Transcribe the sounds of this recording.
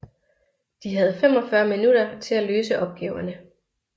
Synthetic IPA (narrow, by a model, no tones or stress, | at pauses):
d̥iɦæð̞ˠfem̰ɒ̽fɶɐminuɾ̥ɐt͡sʰe̝læløːsəʔɒ̽b̥̚ɡ̥ɛːʊɐnə